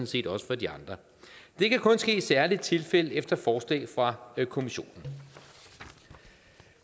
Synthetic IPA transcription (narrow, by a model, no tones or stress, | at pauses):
n̩se̝̰ːd̥ɒ̽sə̥fɒ̽d̥iɑ̈nd̥ʁɐ | d̥e̝kʰækʰɔ̽nsɡ̥e̝̰ːsæɐlid̥̚t͡sʰe̝lfel̰əefd̥ɐfɒːslɛ̰ːɪfʁɑ̈kʰo̝miɕo̝̰ːnn̩